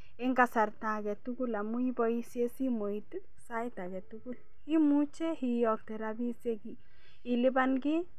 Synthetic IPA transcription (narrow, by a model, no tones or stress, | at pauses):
eŋkasaɾt̪aɡɛt̪uɡulamujibɔjsesimojt̪ | sajt̪aɡɛt̪uɡul | himut͡ʃehijɔk̚t̪eɾabiseɡi | ilibanɡi